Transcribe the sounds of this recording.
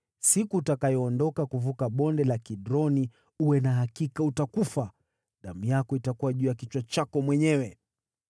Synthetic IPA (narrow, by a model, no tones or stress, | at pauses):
sikuːtakajɔːndɔkakuvukaɓɔndɛlakiɗɾɔni | uwɛnaɦakikautakufa | ɗam̩jakɔitakuwaʄuːjakit͡ʃwat͡ʃakɔmwɛɲɛwɛ